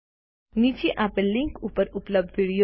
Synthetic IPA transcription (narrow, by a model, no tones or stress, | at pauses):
niːt͡ʃeʔapə̃lɪ̃ŋkuːpəɾʊpləb̚d̪ʋiːɽijo